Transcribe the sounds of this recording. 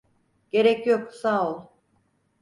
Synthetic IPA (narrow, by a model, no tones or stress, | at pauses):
ɟ̥e̞ɾɛcjoksaːolˠ